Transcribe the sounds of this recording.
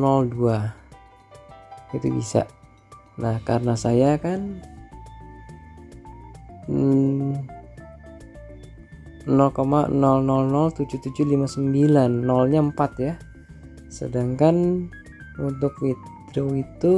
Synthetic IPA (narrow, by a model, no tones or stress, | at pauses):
nɔldua | it̪ṵbḭsa̰ʔ | nahkaɾənasajakan | nɔlkomanɔlnɔlnɔlt̪ud͡ʒut̪ud͡ʒulimasəmbilanːɔlɲaəmpat̪ja | sə̰daŋkan | unt̪ʊkwidoit̪u